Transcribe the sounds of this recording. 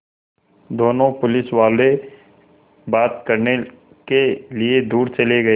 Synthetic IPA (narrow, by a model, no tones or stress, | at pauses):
d̪oːnõpʊlɪsʋaːle | baːt̪kɐɾne | kelied̪uːɾt͡ʃɐleɡɐeː